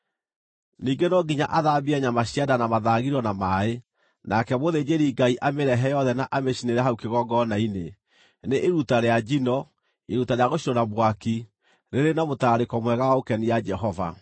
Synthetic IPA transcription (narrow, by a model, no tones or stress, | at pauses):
niːɡenɔɡiɲaʔaðabiɛɲamaɕiadanamaðaːɣiɾɔnamae | nakɛβoðed͡ʑeɾiːɡaiʔameɾɛɦɛjɔðɛnaʔameɕineɾɛɦaukeɣɔɡɔnaine | neʔeɾutaɾead͡ʑinɔ | eɾutaɾeaɣoɕiɾɔnaβwaki | ɾeɾenamotaːɾekɔmwɛɣawaokɛnijad͡ʒɛɦɔva̰